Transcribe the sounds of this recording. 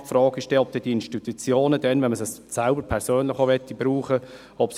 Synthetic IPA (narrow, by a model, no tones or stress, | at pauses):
frɑːɡ̥ɪʃtɛɔp̚t̪ɛd̥iinʃtit̪ut͡sjoːnəd̥ɛnʋɛnməsəssælbəɾpʰɛɾsøːnlɪχoʋɛt̪ːib̥ɾuːχə | ɔps